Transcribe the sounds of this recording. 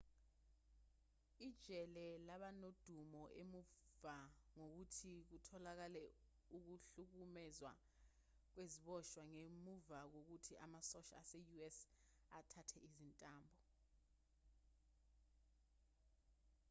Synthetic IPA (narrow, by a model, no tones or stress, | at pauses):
id̥ʒ̥ʱɛlɛlaɓanod̥ʱumɔʔemuvaŋok̬utʰik̬utʰɔlak̬alɛ | uk̬uɬuk̬umɛzwa̰ | k̬weziɓɔʃwaŋemuvak̬ok̬utʰiʔamasɔʃa̰ːsejuɛs | atʰatʰɛizintʼaːmbʱɔ